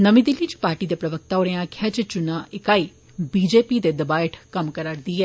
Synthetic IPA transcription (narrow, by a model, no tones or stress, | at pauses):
nəmĩd̪ɪlːiːt͡ʃpaːɾʈiːd̪eːpɾəʋək̚t̪aːoːɾẽːãːkʰjaːt͡ʃət͡ʃʊnãːʔɪkaːiː | biːd͡ʒeːpiːd̪eːd̪əbaːɪʈʰkəmkəɾaːɾd̪iːɛː